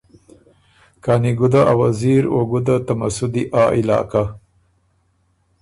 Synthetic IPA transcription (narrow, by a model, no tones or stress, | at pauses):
kaːniɡud̪aʔawaziɾoɡud̪at̪amasʊd̪iʔɑːʔilɑ̰ːka